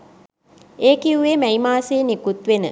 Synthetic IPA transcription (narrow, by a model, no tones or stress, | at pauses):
eːkiuʋeːmæimaːseːnikut̪ʋenə̰